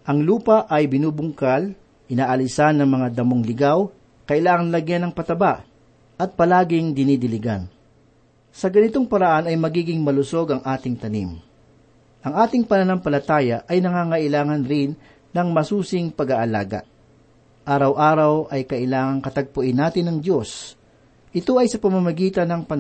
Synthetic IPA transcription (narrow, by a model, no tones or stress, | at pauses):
ʔɐŋluːpɐʔɐjbɪnuːbʊŋkal | ʔɪnaːʔɐlɪsanːɐŋmɐŋad̪ɐmoŋlɪɡaw | kɐʔɪlaːŋɐnlɐɡjanɐŋpɐt̪ɐbaʔ | ʔɐt̪̚pɐlaːɡɪŋd̪ɪnid̪ɪlɪɡa̰n | sɐɡɐnɪt̪o̞ŋpɐɾɐʔanɐjmɐɡiːɡɪŋmɐlʊso̞ɡɐŋʔaːt̪ɪŋt̪ɐnḭm | ʔɐŋaːt̪ɪŋpɐnɐnampɐlɐt̪aːjɐʔɐjnɐŋaːŋɐʔɪlaːŋɐnɾɪnː | ɐŋmɐsuːsɪŋpɐɡaʔɐla̰ːɡɐ̰ | ʔaːɾɐwʔaːɾɐwʔɐjkɐʔɪlaːŋɐŋkɐt̪ɐɡ̚pʊʔɪnːaːt̪ɪnːɐŋd̪jo̞s | ʔɪt̪o̞ʔɐjsɐpɐmɐmɐɡiːt̪ɐnɐŋpɐ